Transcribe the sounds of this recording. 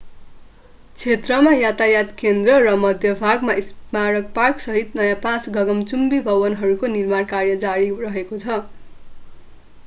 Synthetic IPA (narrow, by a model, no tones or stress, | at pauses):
t͡sʰet̪rʌmajat̪ajat̪kend̪rʌrʌmʌd̪ʱjʌbʱaɡmaismaɾʌkparksʌɦit̪nʌjãpãt͡sɡʱʌɡʌmt͡sumbibʱʌwʌnɦʌɾukonirmankarjʌd͡zaɾirʌɦekot͡sʰʌ